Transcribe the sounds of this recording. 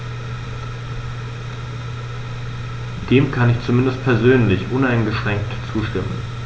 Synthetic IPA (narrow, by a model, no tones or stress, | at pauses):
d̥eːmkʰanɪçt͡sumɪndəstpʰɛɐzøːnlɪçʔʊnaɪnɡəʃʁ̥ɛŋktt͡suːʃtɪmən